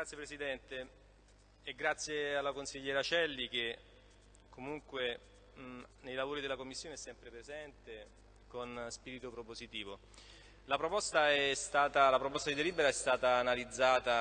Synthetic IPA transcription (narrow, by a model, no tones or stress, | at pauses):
ɡɾat̪sjepɾesid̪ɛnt̪e | ɛɡɾat̪sːjealːakonsiʎːɛːɾat͡ʃɛlːik̟e | kʰːomuŋkwe | nejlavoːɾid̪elakomːisːjoːneɛsːɛmpɾepɾezɛnt̪e | konspiːɾit̪opɾopozit̪iːvo | lapɾopɔst̪aɛst̪aːt̪alapɾopɔst̪ad̪id̪eliːbeɾaɛst̪aːt̪aːnalid̪zːaːt̪a